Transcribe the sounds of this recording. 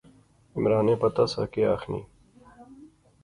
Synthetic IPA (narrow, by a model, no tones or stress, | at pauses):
imɾaːneːpɐt̪ɐsɐ̰keaːxnḭː